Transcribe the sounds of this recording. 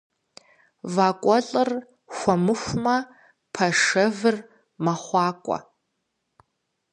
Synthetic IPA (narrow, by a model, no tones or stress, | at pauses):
vaːkʷʼɔɬʼɨr | xʷɔmɨxʷmɐ | pʰɐʂɐvɨr | mɐχʷɑːkʷʼɔ̰